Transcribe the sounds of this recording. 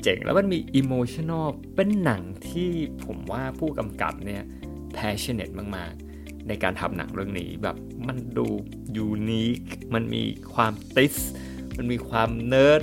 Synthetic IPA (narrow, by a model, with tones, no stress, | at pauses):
t͡ɕe˨˩˦ŋlʔɛ̰ː˦˥wma˧nmiː˧ʔiː˧moː˧t͡ɕʰi˥˨nɔ˥˩ | pe˧nːa˩˦ŋt̪ʰiː˥˩pʰo˩˦mwaː˥˩pʰuː˥˩ka˧mka̰˨˩p̚ni˥˩ɐ | pʰɛː˦˥t͡ɕʰi˦˥˩ne˨˩t̪̚maː˥˩kmaː˥˩k̚ | na˧jkaː˧nt̪ʰa˧mna̰˩˦ŋɾɯ˥˩əŋnḭː˦˥bɛ̰ː˨˩p̚ma˧nduː˧ | juː˧niː˦˥k̚ma˧nmḭː˧kʰwaː˧mt̪i˦˥s | ma˧nmiː˧kʰwaː˧mnɤː˦˥t̪̚